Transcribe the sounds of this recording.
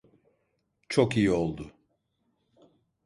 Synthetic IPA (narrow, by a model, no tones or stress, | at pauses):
t͡ʃʰokijio̞lˠd̪ʊ